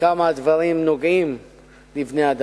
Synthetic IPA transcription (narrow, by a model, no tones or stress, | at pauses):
amad̪vɐlˠĩmnuɡĩm | livnad̪